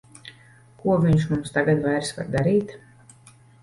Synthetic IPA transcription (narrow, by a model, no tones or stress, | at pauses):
kuɔvʲiɲʃmumst̪aɡad̪vajɾsva̰ɾd̪aɾiːt̪